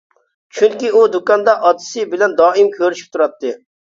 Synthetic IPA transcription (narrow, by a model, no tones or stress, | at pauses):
t͡ʃʰyŋkʲiud̪ukɑnd̪ɑʔɑt̪ːɨ̥sɨbɪlɛnd̪ɑːɪmkʲʰøɾyʃi̥p̚t̪ʰuɾɑt̪ːɨ